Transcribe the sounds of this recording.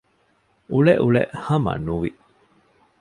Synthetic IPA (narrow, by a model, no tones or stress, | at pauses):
uɭeʔuɭḛʔhɐmɐ̰nuʋi